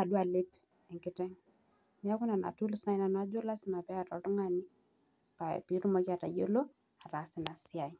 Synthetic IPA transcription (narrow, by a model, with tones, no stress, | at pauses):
a˨du˦a˨le˦p | ɛ˨ŋkɪ˦tɛ˦ŋ | n˨a˦ku˦na˨na̰˨tu˦lsna˨i˦na˨na˦d͡ʒo˦la˦sɪ˦ma˨pɛ˦a˨tɔ˨tɔ˦ŋa˦ni˦ | pa̰˨pi˨˦ɾu˦mɔ˨˦ki˦a˨ta˨jo̰˦lo˦ | a˨ta˨sɪ˨na˨si˦a˨i˨